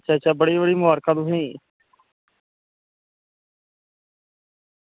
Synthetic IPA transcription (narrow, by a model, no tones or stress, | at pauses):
t͡ʃaːt͡ʃaːbəɽiːbəɽiːmʊaːɾkãːd̪ũːɦĩː